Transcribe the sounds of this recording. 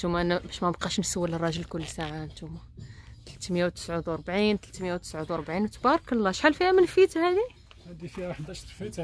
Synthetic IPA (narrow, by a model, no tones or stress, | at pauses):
t̪umænbæʃmænəbqɑʃnsəwːələrˤːɑʒəlkʊlːsaʕant̪umæt̪əlt̪mjawt̪ə̥sʕud̪wɑɾˤbʕint̪əlt̪mjæwt̪ə̥sʕud̪wɑɾˤbʕinwt̪bɑɾˤɑkəlːæʃħalfihæmənfit̪hæd̪i | hæd̪ifiɾɑħd̪æʃt̪ˤfit̪